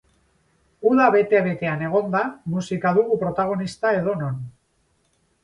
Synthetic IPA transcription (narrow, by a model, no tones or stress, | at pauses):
uðaβe̞t̪e̞βe̞t̪e̞ane̞ɣ̞o̞nd̪amusikaðuɣupɾo̞t̪aɣ̞o̞nist̪ae̞ð̞o̞no̞n